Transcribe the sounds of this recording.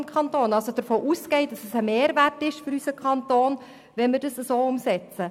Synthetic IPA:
nkʰɑntoːnɑlsod̥əɾfoːʔuːsɡɛɪd̥ɑsəsəmeːɾværtɪʃfʏɾysəkʰɑntoːn | ʋɛnmɪɾdəsəsoːʊmsɛt͡sə

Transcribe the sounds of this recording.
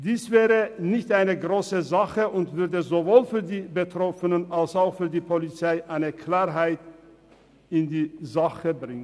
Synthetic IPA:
d̥iːsv̥ɛːʁənɪçtʔaɪnəɡʁoːsəzaχəʊntv̥ʏɐdəzovoːlfyːɐdiːbətʁ̥ɔfənənalsaʊxfyːɐdiːpʰolit͡saɪʔaɪnəkl̥aːʁɦaɪt | ɪndiːzaχəbʁɪŋən

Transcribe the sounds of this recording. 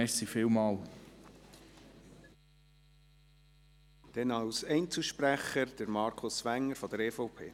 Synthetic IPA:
ɛsifɪlmɑːl | d̥ɛnɑwsɛɪnt͡suʃpræχəɾd̥əɾmɑɾkʰʊsʋæŋːəɾfɔd̪əɾɛːfɔʊpʰḛː

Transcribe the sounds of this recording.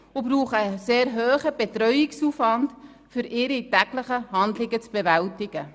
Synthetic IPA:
obɾuːχəseːɾɦøːχəb̥etɾœʏɪksuːfvɑnd | fʏɾɪɾitæɡləχəhɑndlɪɡət͡sb̥evæltɪɡ̥ə

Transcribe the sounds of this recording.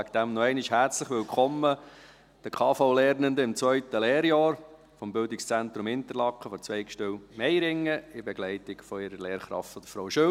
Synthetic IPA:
ækd̪̥æmnɔɛɪnɪʃhæɾt͡sləχʋɪlkʰχɔmːə | d̥əkʰɑːfoʊlɛːɾnənd̪əɪmt͡svœʏt̪əleːɾjɑːɾ | fɔmbʏld̪ɪkst͡sɛnt̪ɾʊmɪnt̪əlɑkχəfɔt͡sʋɛɪkʃtøwmɛjɾɪŋːəɪbɛɡ̥lɛɪt̪ɪkfɔɪɾəɾleːɾχɾɑ̰ftfɔd̥̪əfɾowʃø

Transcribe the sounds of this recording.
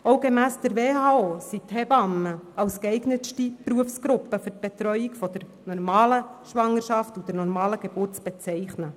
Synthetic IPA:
oʊɡemæːsd̥əɾʋeːhɑːoːsithɛb̥ɑməɑwskɛɪɡnəʃtipɾuəfsɡ̥ɾʊpːəfʏɾt̚b̥etɾœʏikfɔd̥əɾ | nɔrmɑːləʃʋɑŋːəɾʃɑftud̥ɛɾnɔɾmɑːləɡ̥eb̥ʊrtt͡sb̥ɛt͡sɛɪχnə

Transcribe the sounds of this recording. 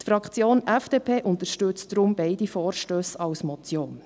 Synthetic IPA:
tfɾɑkχt͡sjoːnʔɛfd̥eːpʰeːʔʊnt̪əɾʃtøt͡sd̥ɾʊmbɛɪdifɔːɾʃtøːsɑwsmɔt͡sjoːn

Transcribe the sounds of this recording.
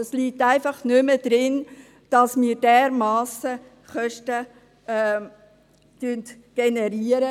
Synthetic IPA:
əsliːtæɪfɑχnʏməd̥ɾɪn | d̥ɑsmiːɾdɛɾmɑːsə | χœʃtə | tynt | ɡ̥enɛɾiːəɾə

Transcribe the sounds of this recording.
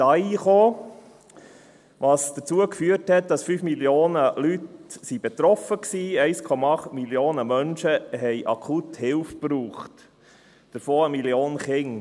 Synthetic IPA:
ɑːiχoː | ʋɑːsd̥ət͡suəkfyːəthɛt̚d̥ɑsfyːfmiljoːnəlytsib̥ɛt̪ɾɔfəksiːɛɪskʰɔmɑɑχt̪miljoːnəmœnʃəɦɛɪʔɑkʰuthɪlfpɾuːχt | d̥əɾfoːəmiljoːnχɪŋ

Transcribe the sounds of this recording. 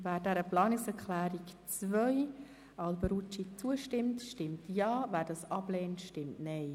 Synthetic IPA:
væːɾdɛɾəplɑːnɪksɛɾkχlæːɾikt͡svœj | ɑlbəɾut͡ʃit͡suəʃtɪmtʃtɪmtjɑːvæːɾdɑsɑb̥lɛːntʃtɪmtnɛɪ

